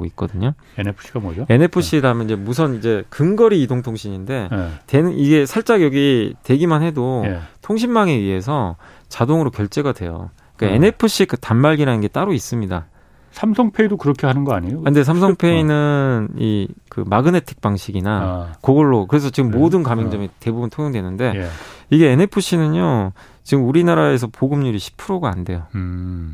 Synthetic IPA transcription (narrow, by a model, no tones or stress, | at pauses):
ɡo̰ik̚k͈ʌdɯɲo | enpʰɕiɡamʌd͡ʑoe̞ne̞pʰɯɕ͈ʰiɾamjʌnid͡ʑe̞mus̬ʰʌnid͡ʑe̞kɯŋɡʌɾiːdoŋtʰoŋɕʰiɲinde̞te̞nɯnʔiɡe̞sʰaɭt͡ɕ͈aɡjʌɡite̞ɡimanhe̞dotʰoŋɕ̬ʰinmaŋeɥiɦe̞sʰʌ | t͡ɕadoŋɯɾokjʌɭt͡ɕ͈e̞ɡadwe̞̰jo̰ | iik͈aene̞pʰɯɕ͈ikɯtammaɭɡiɾanɯnɡe̞t͈aɾois͈ɯmɲida̰ | sʰamsʰʌŋpʰeidokɯɾʌkʰeɦanɯnɡʌaɲijoande̞s̬ʰamsʰʌŋpʰe̞inɯnḭkɯ̰maɡɯne̞tʰɯ̥k̚p͈aŋɕʰiɡinakʌɡʌɭːokɯɾe̞s̬ʰʌt͡ɕiɡɯmːodɯnkamjeŋd͡ʑʌmite̞bubuntʰoŋjoŋdwe̞nɯnde̞iɡe̞ːne̞pʰɯɕ͈ʰinɯɲo | t͡ɕiɡɯmuɾinaɾae̞s̬ʰʌpoɡɯmɲuɾiɕʰi̥pʰɯɾoɡoa̰nde̞jo